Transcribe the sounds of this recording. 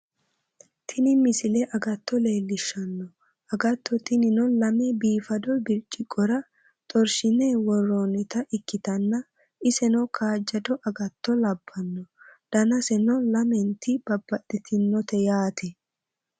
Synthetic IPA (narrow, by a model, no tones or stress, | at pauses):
t̪ʰɪnɪmɪsɪlɛʔɐɡɐt̪ʰːɔleːlːɪʃːɐnːɔ | ɐɡɐt̪ːɔt̪ɪnɪnɔlɐmɛbiːfɐd̪ɔbɪɾt͡ʃʼːɪkʼːɔɾɐ | t̪ʼɔɾʃɪnɛwɔrːoːnɪt̪ɐʔɪkːɪt̪ɐnːɐ | ɪsɛnɔkʰaːd͡ʒːɐd̪ɔʔɐɡɐt̪ːɔlɐbːɐnːɔd̪̥ɐnɐsɛnɔlɐmɛnt̪ɪb̥ɐbːɐd̪ɛt̪ɪnːɔt̪ɛjaːt̪ʰɛ